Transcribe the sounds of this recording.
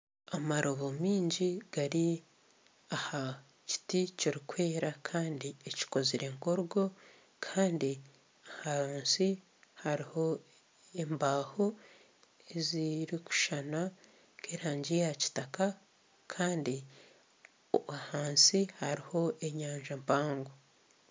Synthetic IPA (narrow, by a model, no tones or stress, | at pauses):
amaɾʔoβomiːɲɟiɡ̥aɾi | aha | ci̥ticiɾikwe̞ːɾakʰaːndieci̥ko̞ziɾe̞ŋkoɾɡo̞ | kʰaːndi | ahaaːnsi | haɾiho̞ | embaːho̞ | eziɾiku̥ʃana | keːɾaːɲɟijaci̥taka | kʰaːndi | oahaːnsihaɾiho̞ʔe̞ɲaːɲʒampaːŋɡo